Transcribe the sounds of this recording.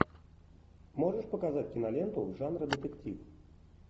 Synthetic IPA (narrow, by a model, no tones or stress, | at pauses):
mɔʐəʂpɐkazat͡sʲkʲinalʲɛnt̪ɐwʐanɾɐd̪ɛt̪ɛkt͡sʲiw